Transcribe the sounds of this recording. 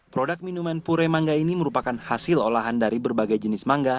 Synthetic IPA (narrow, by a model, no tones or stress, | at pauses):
pɾodak̚minumanpuɾɛmaŋɡainiməɾupakanhasɪlolaɦandaɾibərbaɡajd͡ʒənɪsmaŋɡa